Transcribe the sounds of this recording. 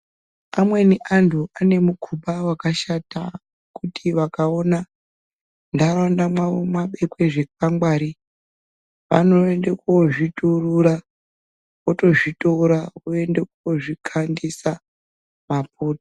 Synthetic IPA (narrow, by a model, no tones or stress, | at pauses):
amwe̞niʔantʰuʔane̞mukʰuɓawakaʃata | kutʰiʋakaona | ndaɾondamwaʋomwaɓe̞kwe̞ʐe̞kaŋɡwaːɾi | ʋa̰no̞endekoʐituruɾa | oto̞ʐitoɾaoe̞ndekuoʐikʰandisa | map̚ʰo̞ːto̥